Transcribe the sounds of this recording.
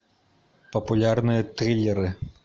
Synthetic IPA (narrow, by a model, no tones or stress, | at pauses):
pɐpulʲarnɨjɐt̪ɾʲilʲːɛɾɨ